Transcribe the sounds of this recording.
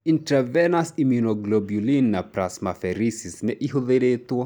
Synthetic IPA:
intɾɛvɛnasimjunoɡlobjulinːapɾasmafɛɾisisnɛʔiɦuðeɾet̪uɔ

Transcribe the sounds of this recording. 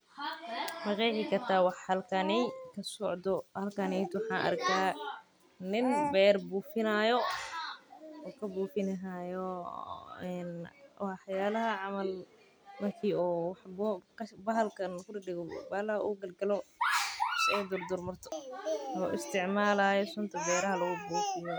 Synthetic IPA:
mɐqɛjħɪkʰɐrt̪ʰaːwɑħhɐlkʰɐnɛkʰɐsɔʕd̪ɔhɐlkʰanɛjt̪wħɑːnʔɐ̰rkʰaː | nɪnbɛːrbuːfɪnajɔ | ɔːkʰɐbuːfɪnɐɦajɔ | ɛnħjaːlɐɦɐʕɑmɐl | mɐrkʰiːɔːwɑħbɔkɐbɐɦɐlkʰɐnkʰʊdɪɖɪɡɔbɐlɐhɐṵɡɐlɡɐlɔ | sɔːd̪ɔrd̪ɔrmɐrt̪ʰɔ̥ɔːʔɪst̪ʰɪʕmaːlaːjɔsʊnt̪ʰɐbɛːɾɐɦɐlɐɣʊbuːfɪjɔ

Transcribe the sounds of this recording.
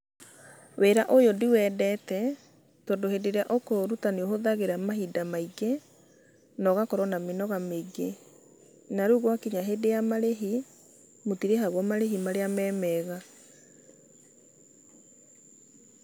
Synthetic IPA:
weɾaʔojodiwɛdɛtɛ | tɔːndoɦedeɾeaʔokoɾutaneoɦoðaɣeɾamaɦidamaiɡe | nɔɣakɔɾɔnamenɔɣameɡe | naɾuːɣwakiɲaɦedejamaɾeɦi | motiɾeɦaɣwɔmaɾeɦimaɾeamɛːmɛɣa

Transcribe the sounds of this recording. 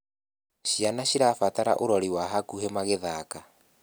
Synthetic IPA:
ʃianaɕiɾafataɾa̰ʔoɾɔɾiwaɦakuɦemaɣeðaka

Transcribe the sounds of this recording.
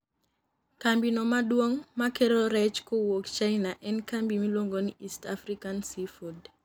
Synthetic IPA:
kambinɔmadwoŋmakeɾɔɾɛt͡ʃkowokt͡ʃaɪnaʔɛnkambimilwoŋɡoniʔistafɾikansifod

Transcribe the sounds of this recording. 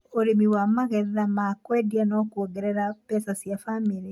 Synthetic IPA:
oɾemiwamaɣɛðamakwɛdianɔkuoɡeɾɛɾapɛsasjafamiɾi

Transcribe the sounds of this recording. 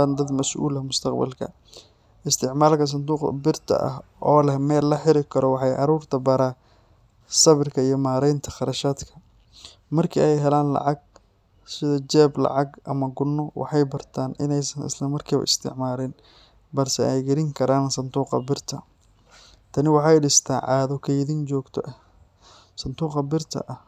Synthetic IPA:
and̪ɐd̪mɐsʔṵːlɐmʊst̪ʰɐqbɐ̰lkʰɐ̰ | ʔɪst̪ʰɪʕmaːlkʰɐs̬ɐnd̪uːqɐ̰bɪrt̪ʰɐ̰ʔɐ̰ɦʔɔːlɛmɛːlːɐħɪɾɪkʰɐɾɔwɑħɑjʕɑ̰ɾuːrt̪ʰɐbɐɾaː | sɐβɪrkʰɐijɔmaːɾɛjnt̪ʰɐ̥χɑɾɐʃaːd̪kʰɐ̥ | mɐrkʰḭːɛjɦɛlaːnlɑ̰ʕɑɡ̚ | sɪðɐt͡ʃɛːblɑ̰ʕɑɡʔɐ̰mɐɡʊnːɔwɑ̰ħɑjbɐrt̪ʰaːnɪ̰nɛjsɐnɪ̰slɐmɐrkʰiːβɐ̰ʔɪst̪ʰɪ̰ʕmaːɾɛn | bɐrsɛʔɛjɡɐɾɪŋkʰɐɾaːnsɐnd̪uːqɐ̰bɪrt̪ʰɐ | t̪ʰɐnɪwɑħɑjɖɪst̪ʰaːʕɑːðɔkʰɐɪðint͡ʃɔːɡt̪ʰɔʔɐ | sɐnd̪uːqɐbɪrt̪ʰɐ̰ʔɐh

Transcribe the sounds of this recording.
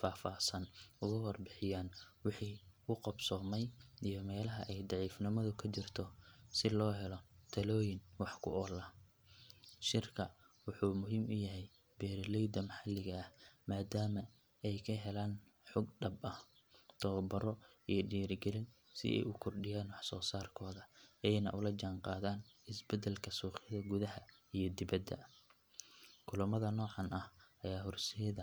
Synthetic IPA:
faːfaːsɐnʊɣɐwɑrbɪħɪjaːnwɪħiːʊqɑbsɔːmɛjijɞmɛːlɐɦɐʔɛjd̪ɑʕiːfnɪmɐðʊkʰɐt͡ʃɪrt̪ʰɔsɪlɔːɦɛlɔt̪ʰɐlɔːjɪnwɑħkʰʊ̰ʔɔlɐ | ʃɪrkʰɐwʊħuːmʊɦiːmʔʊjɐɦɛj | bɛːɾlɛjd̪ɐmɐħɑlɪɣɐɐhmaːd̪aːmɐ | ɛjkʰɐɦɛlaːn | ħɔɡɖɐbɐh | t̪ʰɔbɐɾɔ | ijɞɖiːɾɡɛlɪn | sɪ̰ʔɛ̰jʊkʰɔrɖɪjaːnwɑħsɔːsaːrkʰɔːðɐɛjnɐ̰ʔʊlɐd͡ʒaːɴqɑːðaːnɪsbɛd̪ɛlkʰɐsuːqɪðɐɡʊðɐɦɐ | ijɞd̪ɪβɐd̪ːɐ̰ | kʰʊlʊmɐðɐnɔːʕɑnɐhʔɐjaːhʊrsɛjðɐ

